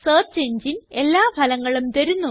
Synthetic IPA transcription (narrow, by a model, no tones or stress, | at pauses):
sɐːrt͡ɕeɲd͡ʑine̞lːaːbʱɐlɐŋːɐɭumt̪eɾunːu